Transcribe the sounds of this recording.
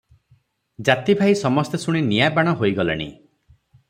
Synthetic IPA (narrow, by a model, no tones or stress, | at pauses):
d͡ʒat̪ibʱaisɔmɔst̪esuɽ̃inijabaɽ̃ɔɦojɡɔlḛɽ̃ḭ